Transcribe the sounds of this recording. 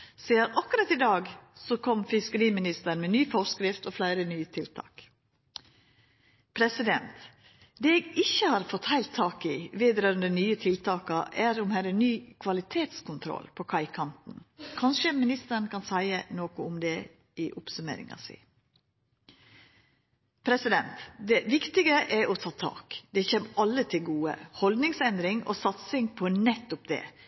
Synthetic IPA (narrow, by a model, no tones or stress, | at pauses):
siːəɾʔɑkʊɾɑt̪ɪd̪ɑːɡsɔkʰɔmfɪskəɾiːmɪnɪst̪əɳmɛnyːfɔskɾɪft̪ɔflæɪɾənyːət̪ʰɪlt̪ʰɑ̰ːk | pʰɾɛsɪd̪ɛnt̪ | d̪eɛːɡɪçəhɑːɾfɔt̪hæɪlt̪ʰːɑːkɪʋeːd̪ɾœːɾənd̪ənyːət̪ʰɪlt̪ʰɑːkɑʔæɾʊmhæɾənyːkʰʋɑlɪt̪ʰeːt̪skʊnt̪ʰɾɔ̰lpʰɔkʰɑɪkʰɑnt̪n̩kʰɑnʂəmɪnɪst̪əɳ̩kʰɑnsæɪənoːkʊʊmd̪ɛ | ɪʔʊpsʉmḛːɾɪ̰ŋɑ̰sḭ | pʰɾɛsɪd̪ɛnt̪d̪ɛʋɪkt̪ɪɡəʔɛɾʔɔt̪ʰɑːt̪ʰɑ̰ːkd̪ɛçeːmɑlːət̪ʰɪlɡuːə̰hɔld̪nɪŋsɛnd̪ɾɪŋɔ̰sɑt̪sɪŋpʰɔnɛt̪ːʊp̚d̪ɛ̰ː